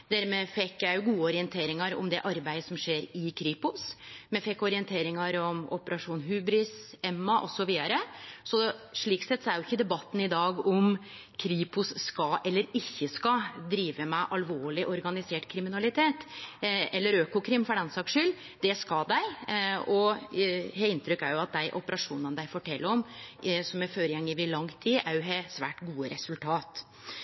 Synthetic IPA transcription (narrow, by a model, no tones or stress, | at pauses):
d̪æɾmɛːfɛkːjæɪjʊɡuːəɔɾɪɛnt̪ʰeːɾɪŋɑɾɔ̰md̪ɛʔɑɾbæɪd̪əsɔmʂeːɾɪkʰɾiːpʊsmɛfɛkːɔɾɪɛnt̪ʰeːɾɪŋɑɾɔmɔpəɾɑʂuːnɦʉːbɾɪsɛmːɑʔɔsɔʋiːd̪ɑɾəsɔʂɭiːksɛt̪ːsɔæɾjʊɪçːəd̪ɛbɑt̪ːn̩ɪd̪ɑːɡɔm | kʰɾiːpʊsːkɑʔɛlːəɾɪçːəskɑd̪ɾiːʋəmɛʔɑlʋoːɭɪʔɔɾɡɑnɪseːʈkʰɾɪmɪnɑlɪt̪ʰeːt̪ | ɛlːəɾøːkʊkʰɾɪmfɔɖɛnsɑkʂʏlː | d̪ɛskɑd̪æɪɔ | heːɪnt̪ɾʏkːæɾjʊɑt̪̚d̪æɪʔɔpəɾɑʂuːnənəd̪æɪfɔʈʰɛlːəɾɔmsɔmæføːɾjɛŋːɪʋɪlɑŋt̪ʰiːʔæɾjʊɦɛsʋæːʈɡuːəɾʔɛsʉlt̪ʰɑːt̪